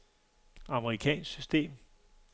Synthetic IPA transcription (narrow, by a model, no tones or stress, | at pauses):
ɑ̈məʁikʰɛ̰ːnsɡ̥sysd̥e̝̰ːm